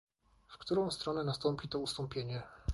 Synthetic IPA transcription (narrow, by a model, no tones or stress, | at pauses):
fkt̪uɾɔ̃w̃st̪ɾɔnɛnast̪ɔmpʲit̪ɔust̪ɔmpʲjeɲɛ